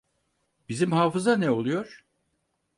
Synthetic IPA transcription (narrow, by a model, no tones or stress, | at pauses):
bizimhaːfɯzanɛo̞lˠujo̞ɾ̥